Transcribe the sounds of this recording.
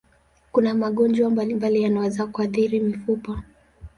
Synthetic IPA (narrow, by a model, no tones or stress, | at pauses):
kunamaɠɔnd͡ʒwambalimbalijanawɛzakuaθiɾimifupɔ